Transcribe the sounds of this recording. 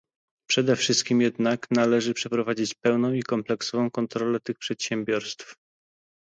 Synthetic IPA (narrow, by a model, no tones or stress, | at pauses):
pʂɛd̪ɛfʂɘst̪̚kʲimjɛd̪naknalɛʐɘpʂɛpɾɔvad͡ʑit͡ɕpɛwnɔ̃w̃ikɔmplɛksɔvɔ̃w̃kɔnt̪ɾɔlɛt̪ɘxpʂɛt̪ɕɛmbʲjɔɾst̪f